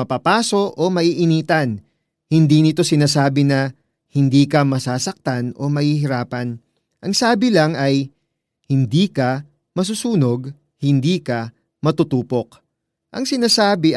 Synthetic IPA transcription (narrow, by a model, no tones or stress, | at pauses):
ɐpaːpaːso̞ʔomɐʔiːʔɪniːt̪ɐn | hɪnd̪iːnɪt̪o̞sɪnaːsaːbɪnɐ | hɪnd̪iːkɐmɐsaːsɐk̚t̪ano̞̰mɐhiːɦɪɾaːpɐn | ʔɐŋsaːbɪlɐŋɐj | hɪnd̪iːkɐ | mɐs̬usuːno̞ɡ | hɪnd̪iːkɐ | mɐt̪ʊt̪uːpo̞k | ʔɐŋsɪnaːsaːbɪ